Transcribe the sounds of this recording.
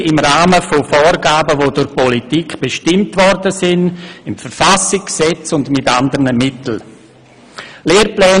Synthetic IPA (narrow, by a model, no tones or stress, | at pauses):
ɪmɾaːməfofɔːɾɡaːbəvoːdʊɾpɔlitikb̥eʃtɪmtvɔɾdəsɪnɪmfəɾfasɪksɛt͡sʊndmɪtandəɾnəmɪtl̩ | leːɾplɛː